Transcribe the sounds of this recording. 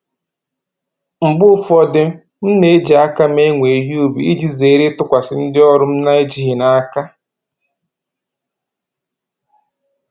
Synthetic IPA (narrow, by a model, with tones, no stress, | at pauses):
m̩˨bʊ˦fɔ˦dɪ˦m˦ | m̩˦ne˨e˦d͡ʒi˨a˦ka˦me˦ŋʷe˨ɦi˦u˦bi˨i˦d͡ʒi˦ze˨˦ɾɪ˦tʊ˦kʷa˨sɪ˨n̩˦dɪ˦ɔ˦ɾʊ˦m̩˦na˦e˦d͡ʒi˦ɦɪ˨na˦a˦ka˦